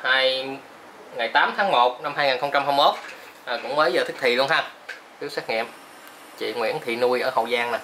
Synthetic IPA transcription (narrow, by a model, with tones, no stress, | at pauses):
haː˧j | ŋa˨˩jt̪aː˨˦mt̪ʰaː˨˦ŋmo˨˩t̚na˧mhaː˧jŋaː˨˩nxə˧wŋ͡mt͡ɕa˧mhɦa˧mmo˦˥t̚ | ʔaː˨˩kʊ̰˧˥ŋ͡mməː˨˦jzəː˨˩t̪ʰk̚t̪ʰi˨˩lu˧əŋɦaː˧ | t̪i˦˥sɛː˦˥k̚ŋḭ˧˨əm | t͡ɕḭ˧˨ŋwḭ˧˥ənt̪ʰḭ˧˨nu˧əjʔəː˧˩hə̰˧˨wzaː˧ŋna˨˩